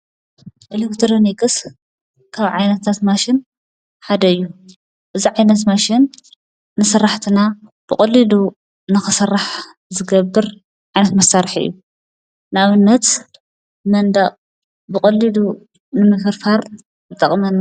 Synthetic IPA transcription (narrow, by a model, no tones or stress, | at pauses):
ʔɐlikt̪ʰɾonikʼɨs | kʰaβʕajnɐt̪ʰːat̪maʃin | ħad̪ɐɨjːu | ʔɨziʕajnɐt̪maʃinː | ɨsɐrːaħt̪ʰina | b̥ɨkʼɐlːilu | nɨxɨsɐrːaħ | zɨɡɐbːɨɾ | ʕajnɐt̪mɐsaɾħɨ̰jːu | naβɨnːɐt̪ | mɐnd̪ɐʔʼ | bɨkʼɐlːilu | nɨmɨfɨɾfaɾ | bɨt̪ʼɐχʼmɐn